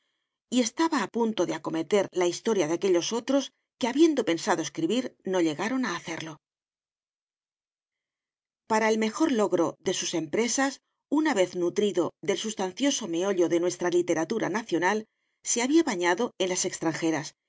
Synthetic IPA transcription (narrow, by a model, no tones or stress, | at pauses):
ie̞st̪aβaːpunt̪o̞ðeako̞me̞t̪e̞ɾlaist̪o̞ɾjaðeake̞ʎo̞so̞t̪ɾo̞s | ke̞aβje̞nd̪o̞pe̞nsaðoe̞skɾiβiɾno̞ʎe̞ɣaɾo̞naːθe̞ɾlo̞ | paɾaelme̞xo̞ɾlo̞ɣɾo̞ðe̞suse̞mpɾe̞sas | unaβe̞θnut̪ɾiðo̞ðe̞lsust̪anθjo̞so̞me̞o̞ʎo̞ðe̞nwe̞st̪ɾalit̪e̞ɾat̪uɾa̰naθjo̞nal | se̞aβiaβaɲaðo̞e̞nlase̞kst̪ɾaŋxe̞ɾas